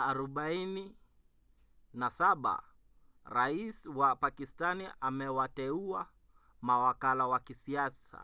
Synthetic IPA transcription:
aɾɔɓaini | nasaɓa̰ | ɾaiswapakistaniʔamɛwatɛua | mawakalawakisiasa̰

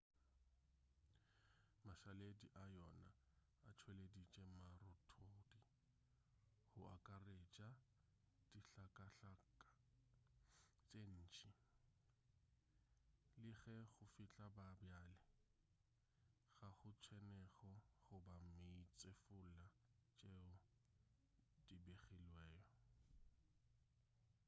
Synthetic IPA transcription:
maʃalediʔajɔna | a̰t͡ʃʰweledit͡ʃʼemarɔtʰodi | hʊʔakʼaret͡ʃʼa | d̥iɬakʼaɬaka | t͡ʃʼen̩ːt͡ʃʼi | lɪɣɛɣʊfɪt͡ɬʼababjaːlɪ | ɣaχʊt͡sʰwɛnɛɣɔχʊbam̩meit͡sʼefʊlat͡ʃʼeʊ | dibeχilwɛːjɔ

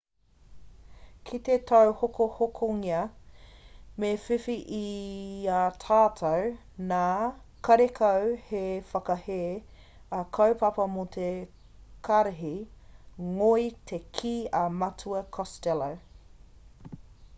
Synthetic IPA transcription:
kʰit̪etʰɐwhokohokʰoŋiɐ | mefifiʔiatʰaːtʰɐw | naː | kɐɾekʰɐwhefɐkɐheː | ɐkʰɐwpɐpɐmot̪ʰe | kʰɐɾɐɦi | ŋojtʰekʰiːɐmɐtʰuɐkʰɔstɛlɐw

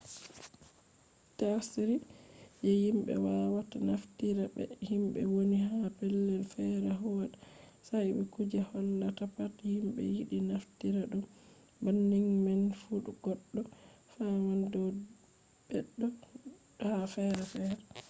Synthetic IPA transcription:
tasiɾijɛhimbɛ̰wawatanaftiɾabɛ̰himɓɛ̰woniɦapɛlːɛlfɛɾɛɦɔɗa | sajɓɛkud͡ʒahɔndatapathimɓɛ̰jiɗinaftiɾaɗɔ | banːiŋmanfuɗuɡ̥ɔɗːɔfamandɔ | b̥ɛɗːɔ | hafɛɾɛfɛɾɛ

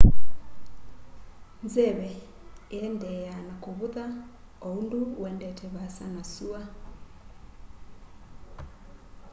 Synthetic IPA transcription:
nzɛβɛ | eɛndɛanakoβuða | ounduwɛndɛtɛβasanasua

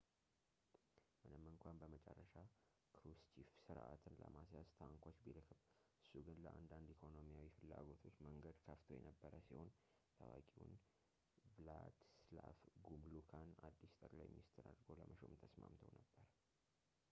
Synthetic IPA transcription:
mɨnɨmːɨŋkʷanbəmət͡ʃʼɛrːəʃa | kʰɾust͡ʃʰifsɨɾʔa̰t̪ʰɨnlə̰masjast̪ʰəwŋkʷʰot͡ʃːbilɨkʰɨbʔɨsːuɡɨnləʔa̰nd̪and̪ikʰo̞no̞mijawifɨlːa̰ɡo̞t̪ʰo̞t͡ʃːməŋɡəd̪kʰəft̪ʰojɛ̰nəbːəɾəsiho̞n | t̪ʰəwa̰kʼiwṵn | blad̪slafɡumlukʰanad̪ːist̪ʼəkʼlajminist̪ʰɨɾa̰d̪ɾɡo̞lə̰məʃo̰nt̪ʰəsma̰mt̪ʰə̰wnəbːəɾ

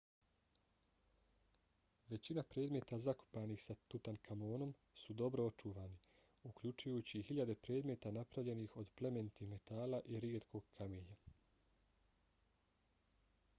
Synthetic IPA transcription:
ʋe̞t͡ɕinapɾeːd̪me̞ːt̪azako̥paːnixsat̪ut̪ankʰamo̞ːno̞m | sud̪o̞bɾoot͡ʃuʋaːni | ukʎut͡ʃujuːt͡ɕihiʎad̪e̞pɾe̞ːd̪me̞ːt̪anapɾavʎe̞nixo̞d̪ple̞me̞nt̪ime̞t̪aːlaʔiɾiet̪kʰo̞ːɡ̥kʰameːɲa

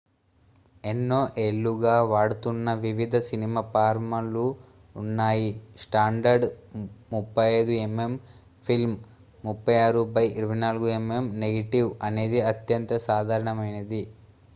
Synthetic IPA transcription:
enːoːʔeɭːuɡaːʋaːɽut̪unːɐʋiʋid̪ʱɐsinimaːpaːɾmɐluː | nːaːjisʈaːɳɖɐɾɖmupːɐjɐjd̪ueme̞m | pʰilm | mupːɐjaːɾubɐjiɾuʋɐjnaːluɡueme̞mneɡɐʈiʋɐne̞ːd̪iɐt̪jɐnt̪ɐsaːd̪ʱaːɾɐɳɐmɐjnɐd̪i

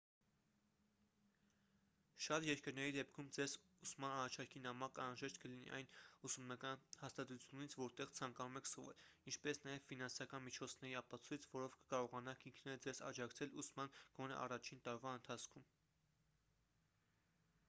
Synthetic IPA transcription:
ʃɑt̪jɛɾkəɾnɛɾid̪ɛp̚kʰumd͡zɛz | usmɑnɑrɑt͡ʃʰɑɾkʰinɑmɑkɑnɾɑʒɛʃt̪̚kəlinḭʔɑ̰jnusumnɑkɑnhɑst̪ɑt̪ut͡sʰjunit͡sʰvɔɾt̪ɛʁt͡sʰɑŋkɑnumɛkʰsvɛ̰lint͡ʃʰpɛsn̪ɑjɛvfin̪ɑnsɑkɑnmit͡ʃʰɔt͡sʰnɛɾiɑpɑt͡sʰujt͡sʰvɔɾɔvkə̥kɑɾɔʁɑnɑkʰiŋkʰnɛɾəd͡zɛzɑ̰d͡ʒɑkt͡sʰɛlusmɑnɡ̥ɔnɛ̰ʔɑ̰rɑt͡ʃʰint̪ɑɾvɑənt̪ʰɑt͡sʰkʰum

